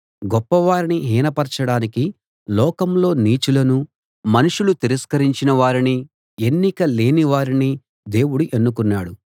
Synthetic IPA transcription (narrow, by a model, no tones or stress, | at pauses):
ɡɔpːɐʋaːɾiniɦiːnɐpɐɾt͡ʃɐɽaːniki | lɔːkɐmlo̞ːniːt͡ʃulɐnu | mɐnuʂulut̪iɾɐskɐɾiɲt͡ʃinɐʋaːɾini | e̞nːikɐle̞ːniʋaːɾini | d̪e̞ːwuɽuʔe̞nːukunːaːɽu